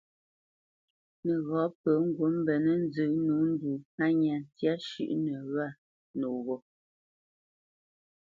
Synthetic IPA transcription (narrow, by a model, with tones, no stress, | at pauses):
nə˨ɣɔ˨˦pə˨˦ŋ̩˦ɡwo˨˦m̩˦bɛ˨nə˦n̩˦zɨ˨˦nu˨˦n̩˦du˨a˦ɲa˨n˨tja˦ʃʉ̰˦ʔnə˨ɣa˦˨ | no˨ɣɔ˨